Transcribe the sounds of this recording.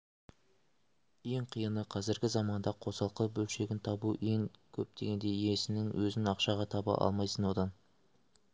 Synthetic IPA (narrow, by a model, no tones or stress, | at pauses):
je̞ɴqʰijənəqʰɑzɪɾɡʲɪzɑmɑnd̪ɑqʰo̞sɑlˠqəbɵlʃe̞ɡʲɪnt̪ʰɑbuʔe̞ŋkʲʰɵp̚d̪e̞ɡʲe̞nd̪e̞jesɪnɪŋwʔɵzɪnɑqʃɑʁɑt̪ʰɑbɑ̰ʔɑ̰lˠmɑjsənwo̞d̪ɑn